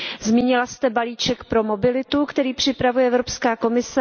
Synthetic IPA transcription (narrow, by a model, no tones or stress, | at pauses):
zmiːɲɪlast̪ɛbaliːt͡ʃɛkpɾo̞mo̞bɪlɪt̪ukt̪ɛɾiːpr̝̥ɪpɾavujɛʔɛvɾopskaːko̞mɪsɛ